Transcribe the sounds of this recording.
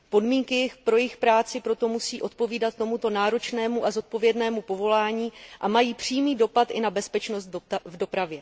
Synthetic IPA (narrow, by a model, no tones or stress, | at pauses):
po̞dmiːŋkɪjɪxpɾo̞jɪxpɾaːt͡sɪpɾo̞t̪o̞musiːʔo̞t̪̚po̞viːdat̪̚ːo̞mut̪o̞naːɾo̞t͡ʃnɛːmuʔazo̞t̪̚po̞vjɛdnɛːmupo̞vo̞laːɲiːʔamajiːpr̝̥iːmiːdo̞pat̪ʔɪnabɛspɛt͡ʃnost̪vdo̞pɾavjɛ